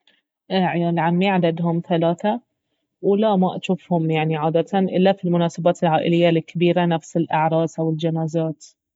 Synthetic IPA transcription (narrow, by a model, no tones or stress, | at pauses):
ʔlʕamːiʕad̪ad̪ɦʊmθalaːθa | wlamaʔaʃuːfhʊmjaʕniʕaːd̪at̪anʔɪlːafilmʊnaːsabaːt̪ɪlʕaːʔɪlɪjːalɪkːabiːɾanafsɪlʔɪʕɾˤɑːzawɪld͡ʒanaːzaːt̪